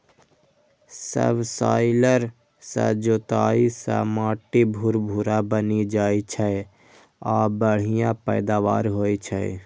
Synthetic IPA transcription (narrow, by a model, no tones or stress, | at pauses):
sə̰bsaːɪləɾ | sə̰d͡ʒot̪aːisã̰maːʈibʱuɾbʱuɾabənid͡ʒaːit͡ʃʰə | aːbəɽ̤ijãpəɪd̪aʋa̰ːɾɦoːjt͡ʃʰə